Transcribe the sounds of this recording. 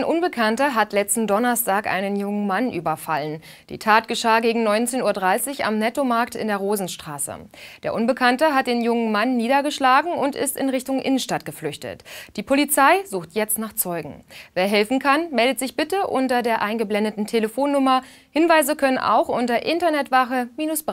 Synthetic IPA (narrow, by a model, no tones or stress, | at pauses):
aɪnʔʊnbəkʰantɐɦatlɛt͡stn̩dɔnɐstʰaːkʔa̰ɪnənjʊŋənmanʔyːbɐfa̰lən | d̥ḭːtʰaːt̚ɡ̥əʃaːɡeːɡŋ̩nɔʏnt͡seːnuːɐdʁaɪsɪça̰mnɛtomaɐk̚tɪ̰ndeːɐʁoːzn̩ʃtʁ̥a̰ːsə̰d̥eːɐʔʊnbəkʰantəɦat̚d̥eːnjʊŋənmanːiːdɐɡəʃlaːɡŋ̩ʊntɪ̰stɪ̰nʁɪçtʊŋʔɪ̰nən̩ʃtatɡ̥əflʏçtə̰td̥iːpʰolit͡saɪzuːxtjɛt͡stnaːχt͡sɔʏɡŋ̩veːɐɦɛlfn̩kʰanmɛldətz̥ɪçb̥ɪtəʔʊntɐdeːɐʔaɪnɡəblɛndətn̩tʰeləfoːnːʊmɐ | hɪnvaɪzəkʰœnənʔa̰ʊxʔʊntɐʔɪntɐnɛtv̥aχəmiːnʊsb̥